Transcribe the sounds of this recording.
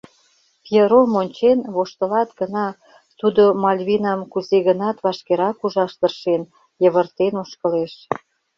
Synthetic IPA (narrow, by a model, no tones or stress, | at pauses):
pjeɾomonʲt͡ɕenβoʃt̪ə̆lɑt̪ɡə̆nɑ | t̪ud̪omɑlʲβinɑmkuzeɣənɑt̪βɑʃkeɾɑkuʒɑʃt̪ərʃen | jəβə̆rt̪enoʃkə̆leʃ